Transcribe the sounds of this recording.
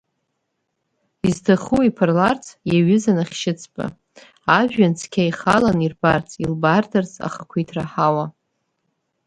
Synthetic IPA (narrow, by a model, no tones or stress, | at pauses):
izdʰɨχuwipʰarlart͡sʰʼjaɥɪzanaχʲʃɪt͡sʰpʼa̰ | aʒᶣːant͡sʰkʲʰaiχalanirbart͡sʰʼilbardart͡sʼa̰χakʷʰijtʰraħawa